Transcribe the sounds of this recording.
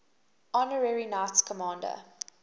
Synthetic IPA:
ɔnəɹɛɹinaɪtskʰəmɑ̃ːndə̰

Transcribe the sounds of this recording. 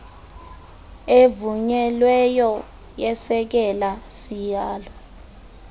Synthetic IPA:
evuɲɛlwɛjɔ | jɛsɛk̬ɛlasijaːlɔ

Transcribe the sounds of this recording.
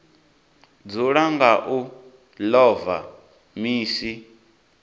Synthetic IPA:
d͡zuɺaŋɡaʔu | lɔva̰ | miːsi

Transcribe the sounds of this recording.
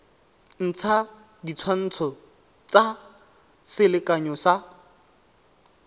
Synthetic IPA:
n̩t͡sʰa | dit͡sʰwan̩ːt͡sʰɔ | t͡sa | sɪlɪkʼaɲɔsa

